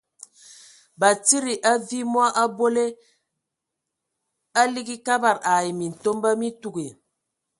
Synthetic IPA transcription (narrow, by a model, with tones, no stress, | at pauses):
ba˨ti˦ɾi˨ʔa˦vi˦mwa˦ʔa˦bo˦le˦ | a˦li˦ɡi˦ka˦ba˨ɾa˨i˨mi˨n̩˨to˦mba˦mi˦tu˦ɡi˨